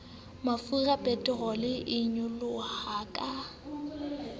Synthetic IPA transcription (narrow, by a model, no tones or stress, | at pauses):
mafurapʼɛtʼɛɣɔlɪʔɪɲʊlʊhaːkʼa